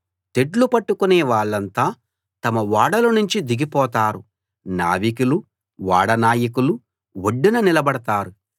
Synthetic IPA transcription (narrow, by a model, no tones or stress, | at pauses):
t̪e̞ɖlupɐʈːukunɛːʋaːɭːɐnt̪aː | t̪ɐmɐʋaːɽɐlɐnuɲt͡ʃid̪iɡipɔːt̪aːɾu | na̰ːʋikulu | ʋaːɽɐnaːjɐkulu | ʋoɖːinɐnilɐbɐɽɐt̪aːɾu